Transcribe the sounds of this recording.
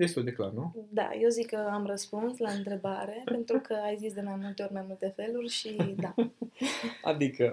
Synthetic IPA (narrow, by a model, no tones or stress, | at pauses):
d̪est̪uld̪e̞klarnud̪a̰je̞wzikːəamrəspunslaɨnt̪ɾe̞baɾe̞pe̞nt̪ɾukʰəajzisd̪e̞majmult̪e̞o̞ɾʲmajmult̪e̞fe̞lurʲʃid̪a | a̰d̪ikə